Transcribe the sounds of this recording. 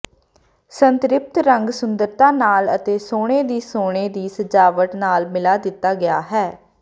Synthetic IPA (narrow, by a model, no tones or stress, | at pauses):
sənt̪ɾɪp̚t̪ɾəŋɡsʊnd̪əɾt̪ãːnaːlət̪eːsoːɽ̃eːd̪iːsoːɽ̃eːd̪iːsəd͡ʒaːʋəʈ̪naːlmɪlaːd̪ɪt̪ːaːɡɪjaːɦɛː